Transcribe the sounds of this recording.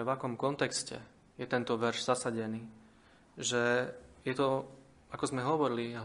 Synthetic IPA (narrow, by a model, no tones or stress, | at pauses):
ɛʋakɔmkɔnt̪ɛkscɛ̰ | jɛt̪ɛnt̪ɔʋɛɾʒz̥asaɟɛniː | ʒɛjɛt̪ɔ | akɔzmɛɦɔʋɔɾiliɦ